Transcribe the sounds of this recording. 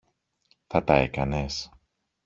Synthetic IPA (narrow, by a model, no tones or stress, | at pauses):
θɐt̪ɐe̞kɐnes